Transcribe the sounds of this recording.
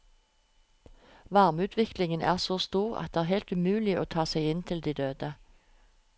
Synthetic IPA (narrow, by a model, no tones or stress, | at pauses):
ʋɑʁmʉːt̪ʰʋɪklɪŋənʔæ̰ːʁsoːst̪uːʁɑ̰t̪̚ɛːæːʁɦɛɪlt̪ʉmʉːlɪʔo̰ːt̪ʰɑːsæɪɪnt̪ʰɪld̪iːd̪øːd̪ə